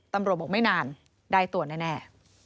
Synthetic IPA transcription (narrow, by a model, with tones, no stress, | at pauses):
t̪a˧mɾu˨˩t̪̚bɔː˨˩ma˥˩jnaː˧n | daː˥˩jt̪u˨˩t̪naː˥˩nɛː˥˩